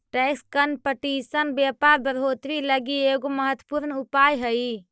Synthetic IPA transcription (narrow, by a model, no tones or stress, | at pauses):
ʈekskənpəʈisənbapaɾbəɾot̪ɾiləɡieɡoməɦət̪wə̥puɾnupajɦəi